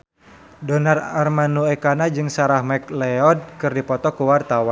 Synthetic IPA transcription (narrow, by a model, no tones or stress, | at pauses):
dɔnararmanuɛkanad͡ʒɨŋsaɾahmɛk̚lɛɔd̚kɨrdipɔt̪ɔkuwart̪awan